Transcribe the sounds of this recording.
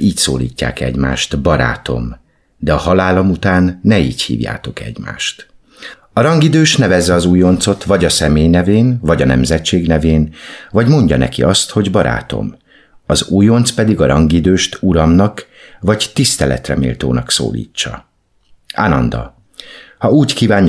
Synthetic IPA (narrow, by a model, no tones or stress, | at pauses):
iːcso̰ːlḭːcːa̰ːkɛ̰ɟmaːʃt̪bɒɾa̰ːt̪o̞m | d̪ɛɒhɒlaːlomut̪aːnːɛiːchḭːvja̰ːt̪o̞kɛ̰ɟma̰ːʃt̪ | ɒɾɒŋɡid̪øːʃnɛvɛzɛɒzuːjo̞nt̪so̞t̪vɒɟɒsɛmeːjnɛveːnvɒɟɒnɛmzɛt͡ʃːeːɡnɛveːnvɒɟmo̞ɲɟɒnɛ̰kiɒst̪ho̞ɟbɒɾʔa̰ːt̪o̞̰m | ɒzuːjo̞nt̪spɛd̪iɡɒɾɒŋɡid̪øːʃt̪uɾɒmnɒk | vɒct̪ist̪ɛlɛ̰t̪rɛ̰mḭːlt̪o̰ːnɒkso̰ːlḭːt͡ʃːɒ | a̰nɒnd̪ɒ̰ | hɒuːckiːvaːɲ